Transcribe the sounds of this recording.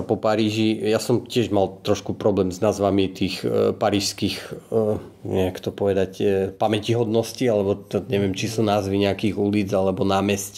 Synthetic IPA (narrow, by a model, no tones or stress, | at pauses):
apɔpaɾiːʒijasɔmcɪɛʒmalt̪ɾɔʃkupɾɔblɛːmznazʋamit̪iːxpaɾiːʃskix | ɲɛakt̪ɔpɔʋɛd̪acpamɛciɦɔd̪nɔscialɛbɔɲɛʋɛmt͡ʃisuːnaːzʋiɲɛakiːɣuliːd͡zalɛbɔnaːmɛsc